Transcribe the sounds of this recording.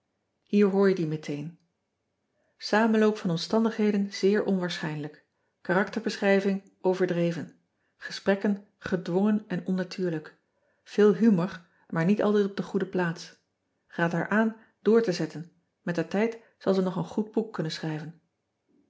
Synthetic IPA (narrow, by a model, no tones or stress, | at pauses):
ɦiːɹɦʊːɹjədimətʰejn | saːmənlowpfɑnɔmstɑndəχɦejdənz̥ɪːɹʔɔnʋaːɹsχɛjnlək | kaːrɑktəɹbəsχrɛjvɪŋ | ʔowvəɹdrejvən | χə̥sprɛkən | χədʋɔŋənɛnɔnːatʰyːɹlək | v̥ɪːlˠɦymɔɹ | maːɹnitɑ̰lˠtɛjtɔb̚dəχudəplaːts | χaːtɦaːɹʔaːn | d̥ʊːɹtəzɛtən | mɛtətɛjt | sɑlˠzənɔχənχud̚bukːɵnənsχrɛjvən